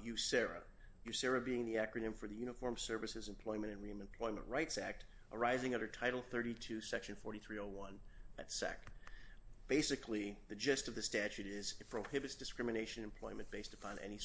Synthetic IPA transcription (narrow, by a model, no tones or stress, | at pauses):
jʉsɛɹɨ̰ | jʉsɛɹɨbiɪ̃ŋðiækɹɨnɨ̃ɱfə˞ðɨjʉñəfɔɹmsɜ˞vɨsɨzɨ̃m̩pʰl̥ɔ̃ɪ̃mɨ̃ɾ̃ɨ̃nɹiɨ̃mɨ̃mpʰl̥ɔɪmə̰̃nʔɹaɪtsæk̚t | ʔə˞aɪzɪ̃ŋʌ̃ndə˞tʰaɪɾl̩ˠθɜ˞ɾitʰʉsɛkʃɨ̃n̩fɔɹɾiθɹioʊwʌ̃nɨ̰tsɛ̰k | b̥eɪsɨkʰliðɨd͡ʒɛstʌvðɨstæt͡ʃʉɾɪzɨpʰɹ̥oʊhɪbɨtsd̥ɨskɹ̥ɪmɨneɪʃɨ̃nnɨ̃m̩pʰl̥ɔ̃ɪ̃mɨ̃nb̥eɪstəpʰɑ̃nʔɛ̰ni